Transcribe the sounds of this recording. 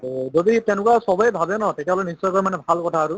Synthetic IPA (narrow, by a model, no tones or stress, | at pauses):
zoditɛnʊkwasɔbɔjbʱabɛnɔtekjaɦɔlɔjnisːɔjkɔɹɛmanɛbʱalkɔtʰaːɹʊ